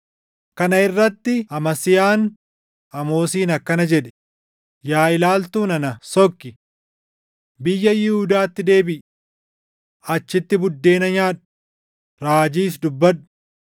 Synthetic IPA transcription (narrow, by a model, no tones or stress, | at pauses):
kɐnɐɪrːɐt̪ːɪɐmɐsɪjaːn | ɐmo̞ːsiːnɐkːɐnɐd͡ʒɛᶑɛ̥ | jaːɪlaːlt̪uːnɐnɐsɔkːɪ | bɪjːɐjɪhuːd̪aːt̪ːɪd̪e̞ːbɪʔ | ɐt͡ʃːɪt̪ːɪbʊd̪ːe̞ːnɐɲaːᶑɐ̥ | ɾaːd͡ʒiːsd̪ʊbːɐᶑʊ̥